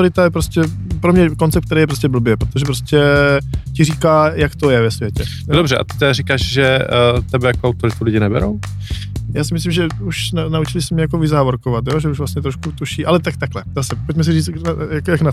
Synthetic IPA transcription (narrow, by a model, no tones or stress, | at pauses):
oɾɪt̪ajɛpɾoscɛ | pɾomɲɛkont͡sɛptk̚t̪ɛɾejɛpɾoscɛbl̩bjɛpɾot̪oʒɛpɾoscɛcɪriːkaːjakt̪o̞jɛvɛsvjɛcɛ | dobrɛʔa̰t̪ɪ̥t̪ɛdaɾikaːʃʒɛt̪ɛbɛjakoawt̪oɾɪt̪ulɪɟɪnɛbɛ̰ɾo̰w | jaːsɪmɪslimʒɛuʃnanaut͡ʃɪlɪsɛmɛjako̞vɪzaːvoɾkovat̪jo̞ːʒɛuʒvlasɲɛt̪ɾoʃkut̪uʃiːʔalɛt̪akt̪aklɛzaːsɛpo̞cmɛs̬iriːt͡snjakojakna